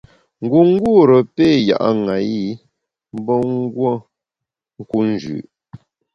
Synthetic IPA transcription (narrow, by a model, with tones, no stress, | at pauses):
ŋ̩˦˨ɡu˨ŋ̩˦ɡu˦˨ɾə˨peː˦˨ja̰˨ʔa̰˦ŋa˨ji˦˨ | m̩˦bɔ˦ŋ˦ɡwo˦ | ŋ̩˦ku˦n̩˦d͡ʒʉ̰˨ʔ